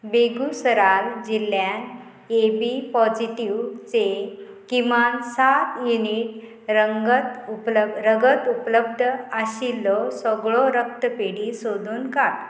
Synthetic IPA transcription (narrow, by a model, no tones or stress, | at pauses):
beɡusəɾald͡ʑilːjan | ebipɔd͡ʑiʈiwt͡se | kiʋansat̪juniʈ̚ | ɾəɡət̪upləɾəɡət̪upləbd̪ʱəaɕilːɔsɔɡɭɔɾək̚t̪əpeɽisod̪ʱuːnkat̪